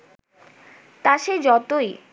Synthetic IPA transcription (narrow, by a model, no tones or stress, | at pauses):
t̪aʃed͡ʑɔt̪oj